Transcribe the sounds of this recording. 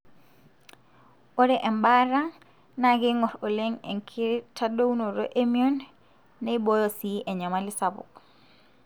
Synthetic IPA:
oɾeʔɛmbaɾaŋ | naɡiŋɔɾoleŋḛŋkʰiɾtadounoɾoʔemionː | eibojosiʔɛɲamalisabṵk

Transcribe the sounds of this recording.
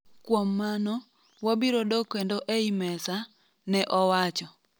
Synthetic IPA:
kwomːanɔ | wabiɾodokwendoʔeimɛsa | nɛʔɔwat͡ʃɔ

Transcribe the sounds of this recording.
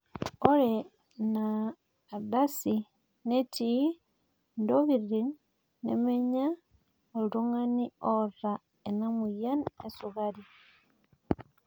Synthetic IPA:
oɾe | naː | basi | neti | ndoβirinː | ḛmeɲa | oɾuŋaniora | enamujanesuɣaɾi

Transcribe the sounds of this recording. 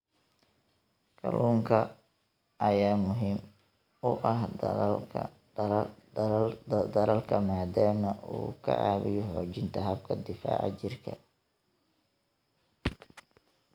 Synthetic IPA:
kʰɐlʔuːŋkʰɐ | ʔɐjaːmʊɦiːm | ʊʔɐɦʰ | d̪ɐɾɐlkʰɐmaːd̪aːmɐʔṵːkʰɐ̰ʕa̰ːβɪjɔħɔːt͡ʃɪnt̪ʰɐɦɐbkʰɐd̪ɪfa̰ːʕɐ̰t͡ʃɪrkʰɐ̰

